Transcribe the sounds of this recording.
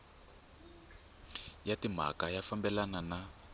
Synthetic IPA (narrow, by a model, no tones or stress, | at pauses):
jatim̤a̰kajafambɛlanana